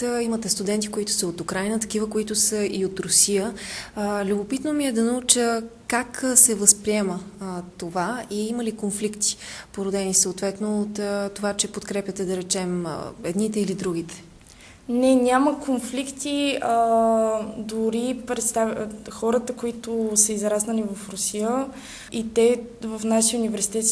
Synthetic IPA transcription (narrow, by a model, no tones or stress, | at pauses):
imət̪ɛst̪ud̪ɛnt̪ikoit̪ʊ̥səot̪ukɾajnət̪ɐ̥k̟ivəkoit̪ʊsəiot̪ɾʊsijə | lʲʊbopit̪nomiɛd̪ɐnɐut͡ʃəkaksɛvəspɾiɛmət̪ovaiiməlikonflikt̪i̥poɾod̪ɛnisəot̪vɛt̪noːt̪t̪ːovat͡ʃɛpot̪kɾɛpjət̪ɛd̪ɐɾɛt͡ʃɛm̰ɛd̪nit̪ɛilid̪ɾuɡ̟it̪ɛ̥ | nɛnʲaməkonflikt̪iə | d̪ʊɾipɾɛt̪st̪avxɔɾət̪əkoit̪ʊsəizɾasnəlivɐfɾosiə | it̪ɛvəfnaʃijəunʲivɛɾsi̥t̪ɛt̪s